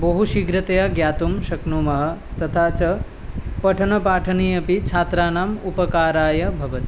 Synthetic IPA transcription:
bɐɦuʃiɡɾɐt̪ɐjaːɡjaːt̪umʃɐknuːmɐɦɐ̆ | t̪ɐt̪ʰaːt͡ʃɐ | pɐʈʰɐnɐpaːʈʰɐniːɐpit͡ʃʰaːt̪ɾaːnaːmupɐkaːɾaːjɐbʱɐʋɐt̪i

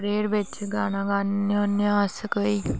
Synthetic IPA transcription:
ɾeːɾʋɪt͡ʃɡaːnãːɡaːnonaːskəiː

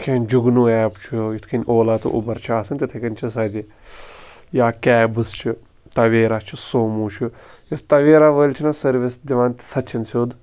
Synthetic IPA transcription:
kʰeːnʲd͡ʒuɡnuːɛːpt͡ʃʰujut̪ʰkʰinʲʔoːlaːt̪ṵʔṵbɐɾt͡ʃʰaːsɨnʲt̪it̪ʰɐkɐnʲt͡ʃʰis̬ɐd̪ʲi | jaːkɛːbɨst͡ʃʰi | t̪ɐʋeːɾaːt͡ʃʰisoːmuːt͡ʃʰujɐst̪ɐʋeːɾaːʋəːlʲt͡ʃʰinasɐɾʋisd̪ʲiʋaːnt̪i̥sɐt̪t͡ʃʰɐnsʲoːd̪

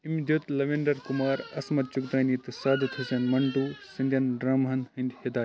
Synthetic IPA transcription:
imd̪ʱjut̪lɐʋeɳɖɐɾkumaːɾɐ̰smɐt̪̚t͡ʃukt̪ɐːnit̪ɨsaːd̪t̪ʰusɐnmɐɳʈuːsɨnd̪ʲjɐnɖɾɐmɦɐnɦɨnd̪ʲhed̪aː

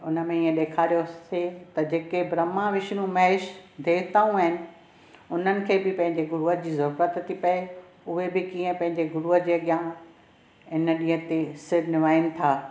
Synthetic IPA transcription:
ʊnəmẽiːə̃ɗeːkʰaːɾijoset̪ɐd͡ʑeːkebɾɐmãʋɪʃnũmɐɦeʃd̪ʱeːt̪aːũaɦɪnɪ̆ | ʊn̤ənɪ̆kʰeːbɪpɐ̃ɦɪ̃ɲd͡ʑeɡʊɾuːəd͡ʑiːzɐɾuːɾət̪t̪ʰipɐe | ʊɦebɪkiːə̃pɐ̃ɦɪ̃ɲd͡ʑeɡʊɾuːɦəd͡ʑeːɐɠjãː | ɪnəɗĩːɦə̃t̪esɪɾnɪʋaːɪnɪ̆t̪ʰaː

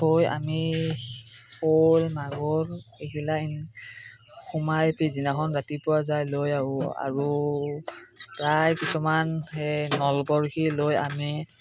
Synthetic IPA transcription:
oja̰mi | holmaɡɔɹekilain | xumajtizinaxɔnzatipʊwazajlojaʊa̰ɹu | ɹajkisɔmanhenɔlbɔɹkiloja̰mi

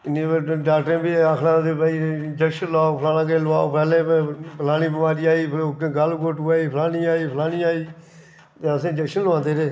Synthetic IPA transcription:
ɪnẽːɖaːkʈɾẽːbiːaːkʰlãːd̪eːbaːid͡ʒəkʃənlaːoːpʰəlaːnãːkeːlʋaːoːpɛːlẽːppʰəlaːñĩːbəmaːɾiːaːiːpʰːkːɡəlɡoʈaːiːpʰəlaːniːaːiːpʰəlaːniːaːiː | t̪eəsẽːd͡ʒəkʃənləãːnd̪eːɾeː

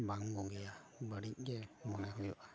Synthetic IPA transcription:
baŋɡɔɡɛja | bəɽic̚ˀɡɛmɔnɛɦujɔʔa

